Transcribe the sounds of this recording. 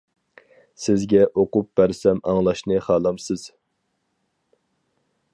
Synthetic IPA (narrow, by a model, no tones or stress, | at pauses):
sɪzɡʲɛʔoqʊp̚b̥æɾsɛmɑŋlˠɑʃnɨχɑːlˠɑmsɪz̥